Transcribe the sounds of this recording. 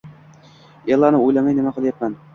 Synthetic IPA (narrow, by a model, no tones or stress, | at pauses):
elˠɑnɪojlamajnɪmaqʰɨlˠajapman